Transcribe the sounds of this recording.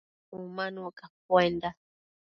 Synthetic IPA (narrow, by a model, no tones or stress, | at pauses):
umãnukap̚wend̪a